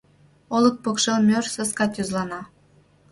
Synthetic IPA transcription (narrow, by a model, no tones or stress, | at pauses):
olˠək̪̚pokʃɤlmʲørsə̆skɑt̪ʲozlˠɑnɑ